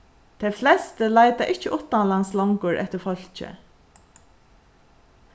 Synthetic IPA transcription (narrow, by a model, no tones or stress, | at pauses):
t̪ʰɛflɛst̪əlajt̪aʔɪht͡ʃəʔʊht̪ːanlanslɔŋkʊɹʔɛ̰ht̪ɪɾfœl̥t͡ʃɪ̰